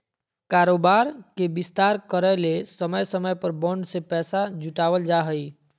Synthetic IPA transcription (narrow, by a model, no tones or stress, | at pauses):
kaːɾoːbaːɾkebɪst̪aːɾkəɾəlesəməjsəməjpəɾbɔ̃ɳɖsepɛːsad͡ʒuʈaːwəld͡ʒaɦəi